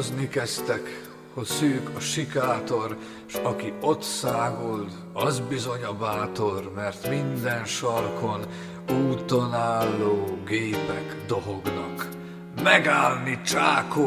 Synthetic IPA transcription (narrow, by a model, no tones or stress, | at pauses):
znikɛst̪ɛk | hosyːkɒʃikaːt̪o̞r | ʃɒkio̞t̪saːɡuld̪ | ɒzbizo̞ɲɒbaːt̪o̞rmɛrt̪mind̪ɛnʃɒrkʰo̞n | uːt̪onaːlːoːɡeːpɛɡd̪oɦoɡnɒk | mɛɡaːlnit͡ʃaːko